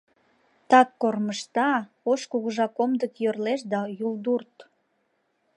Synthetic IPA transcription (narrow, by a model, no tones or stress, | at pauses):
t̪ɑkːorməʃt̪ɑ | oʃkuɣəʒɑkomd̪əkjørleʃd̪ɑjuld̪urt̪